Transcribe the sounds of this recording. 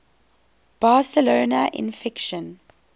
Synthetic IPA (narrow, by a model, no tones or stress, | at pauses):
b̥aːsəloːnaʔɪ̰̃nfɪkʃə̃n